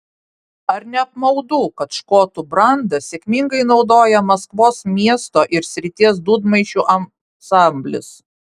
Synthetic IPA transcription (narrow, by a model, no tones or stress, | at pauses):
ɐɾnʲɛɐpmɐʊd̪uːkɐt̪ʃkoːt̪ubɾɐnd̪ɐsʲɛkʲmʲɪŋɡɐɪnɒʊd̪oːjɛmɐskʋoːsmʲiɛst̪oːʔɪɾsʲɾʲɪt̪ʲiɛsd̪uːd̪mɐɪʃʲuːʔɐ | sɑmʲbʲlʲɪ̰s